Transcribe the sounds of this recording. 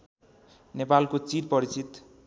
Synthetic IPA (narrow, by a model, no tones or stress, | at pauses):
nepalkot͡siɾpʌɾit͡sit̪